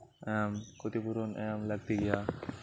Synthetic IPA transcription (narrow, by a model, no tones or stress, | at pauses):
ɛmkʰot̪ipuɾonʔɛ̰mlaɡ̚t̪eɡija